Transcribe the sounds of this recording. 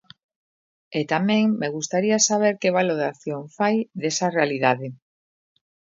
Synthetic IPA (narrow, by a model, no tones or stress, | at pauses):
et̪amẽŋmeɣ̞ust̪aɾiasaβ̞eɾkeβ̞aloðaθjoɱfajðesarealiðaðe